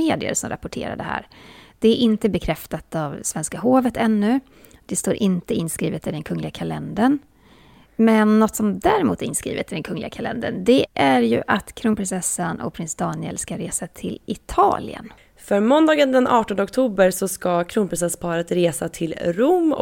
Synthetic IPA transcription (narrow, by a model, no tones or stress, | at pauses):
eːd̪ɪə̰ɾsɔmɾa̰pːʊʈʰḛːɾa̰ɖ̪ɛhæ̰ːɾd̪̥ɛæɾʔɪnt̪əbɛkʰɾɛft̪at̪avsvɛnskaɦoːvət̪ɛnːɵ | d̪̥ɛst̪oːɾʔɪnt̪əɪnskɾiːvət̪ɪd̪ɛnkʰɵŋːlɪɡakʰalɛnd̪əɳ | mɛnːɔt̪sɔmd̪æɾɛmṵːt̪æɾɪnskɾiːvɪ̰t̪ɪd̪ɛnkʰɵŋːlɪɡakʰalɛ̰nd̪ə̰ɳd̪ɛʔæɾjɵ̰ʔat̪kʰɾʊŋpɾɪnsɛsːanʔɔ̰k̚pʰɾɪnsd̪ɑːnɪə̰lskaɾeːsat̪ʰɪlɪt̪ʰɑ̰ːlɪ̰ə̰n | fœɾmɔnd̪ɑːɡənd̪ɛnʔɑːʈɔnd̪əɔkt̪ʰuːbəɾsɔskakʰɾuːŋpɾɪnsɛspʰɑːɾət̪ɾeːsat̪ʰɪlɾʊm̰